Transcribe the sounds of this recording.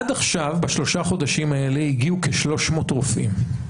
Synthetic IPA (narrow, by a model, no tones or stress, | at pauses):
adaχʃavbaʃlo̞ʃaχo̞daʃimae̞le̞hiɡiuke̞ʃlo̞ʃmo̞tʁufḭm